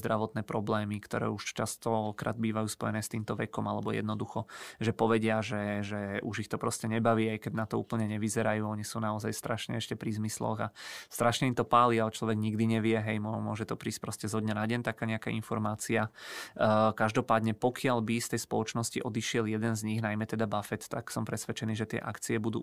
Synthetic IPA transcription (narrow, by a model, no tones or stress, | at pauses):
zd̪ɾaʋɔt̪nɛːpɾɔblɛːmikt̪ɔɾɛ̰ːuʃt͡ʃast̪ɔkɾʔa̰ːd̪̚biːʋajuːspɔ̰jɛnɛːst̪iːmt̪ɔʋɛkɔmalɛbɔjɛ̰d̪nɔd̪uxɔʒɛpɔʋɛɟɪaʒɛʒɛʔuʒixt̪ɔpɾɔscɛɲɛbaʋiːajkɛɟnat̪ɔṵːpl̩ɲɛɲɛʋizɛɾajuːɔɲisuːnaɔzajst̪ɾaʃɲɛ̰ɛʃcɛpɾizmislɔ̰ɣast̪ɾaʃɲɛimt̪ɔpaːliaɛt͡ʃlɔʋɛɡɲiɡd̪iɲɛʋɪɛɦɛjmɔmʊɔʒɛt̪ɔpɾiːsc̚pɾɔscɛzɦɔd̪ɲɛnaɟɛnt̪akaːɲɛakainfɔɾmaːt͡sia | kaʒd̪ɔpaːd̪ɲɛpɔkʰɪalbist̪ɛjspɔlɔt͡ʃnɔsciʔɔd̪iʃɪɛljɛd̪ɛnzɲiɣnajmɛt̪ɛd̪abafɛt̪ːa̰ksɔmpɾɛsʋɛt͡ʃɛniːʒɛt̪ɪɛ̰ʔa̰kt͡siɛbud̪ṵː